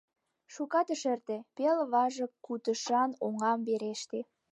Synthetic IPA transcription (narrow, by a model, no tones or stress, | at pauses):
ʃukɑt̪ə̆ʃert̪epelβɑʒə̆kːut̪əʃɑnoŋɑmbeɾeʃt̪e